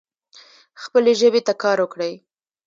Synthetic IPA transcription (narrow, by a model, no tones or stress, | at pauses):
xpəleʒəwet̪akɑɾwəkɽəj